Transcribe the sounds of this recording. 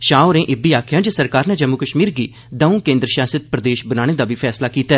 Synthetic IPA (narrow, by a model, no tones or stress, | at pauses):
ʃaːoɾẽːʔɪbiːaːkʰɪjãːd͡ʒesəɾkaːɾnɛːd͡ʒəmːʊkəʃmiːɾɡiː | d̪əũːkẽːnd̪ɾəʃaːsət̪̚pɾəd̪eːʃbənaːɽ̃eːd̪aːʋiːpʰɛːslaːkiːt̪ɛː